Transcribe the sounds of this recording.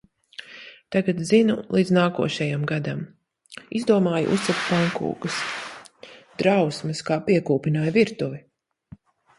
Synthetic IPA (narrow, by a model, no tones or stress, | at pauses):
t̪aɡat̪zinulˠiːd̪znaːkuɔʃɛjamɡad̪am | izd̪uɔmaːjṵʔṵsakpaŋkṵːɡɐs | d̪̥ɾawsmɨskaːpiɛkuːpinaːjviɾt̪uvi